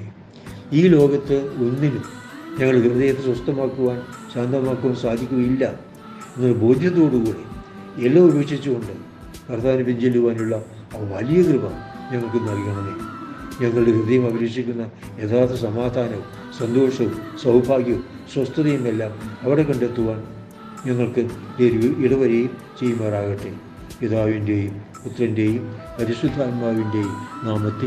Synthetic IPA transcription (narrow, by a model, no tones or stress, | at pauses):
iːlo̞ːɡɐt̪ːɨo̞nːinu | ɲɐŋːɐɭkrɨðɐjɐt̪ːeswɐst̪ɐmaːkːuʋaːnɕaːnd̪ʱɐmaːkːuʋaːnsaːd̪ʱikʲːuɣɐjilːɐ | ɲeŋːɐɭbʱo̞ːd̪ʱjɐt̪o̞ːɽukuːɽe | elːaːubeːkʂit͡ɕːuɣoɳɖɨ | kɐrt̪aːʋɐnɐpːiɲd͡ʑelːuʋaːnuɭːɐː | ʋɐlijɐkrɨbɐmɲɐŋːɐɭkɨnɐrijuɳɐneɲɐŋːɐɭɨɽekɨðɐjumɐbɐɾeːkʂikʲːunːɐ | e̞ːðaːt̪ɐsɐmaːd̪ʱaːnɐʋu | sɐnd̪oːʂɐʋusɐwbʱaːɡjɐ | swɐst̪ɐðɐjumelːaːmɐʋiɽe̞kɐɳɖet̪ːuʋaːn | ɲɐŋːɐɭkɨdeɾiɽɐʋɐɾejum | t͡ɕejːumɐːraːɣɐʈːe | piðaːʋinde̞jum | put̪rɐnde̞jumpɐɾisud̪ʱaːnbaːʋinde̞jumnaːmɐt̪ːi